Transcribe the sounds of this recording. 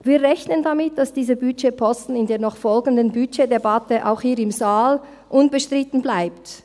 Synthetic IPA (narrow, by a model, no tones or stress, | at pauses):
viːʁɛçnəndamɪt̚d̥asd̥iːzəbyʃepʰɔstn̩ɪndeːɐnɔχfɔlɡən̩dənbyt͡ʃedebɑtəʔa̰ʊxhiːɾɪmzaːl | ʔʊnbəʃtʁ̥ɪtn̩blaɪpt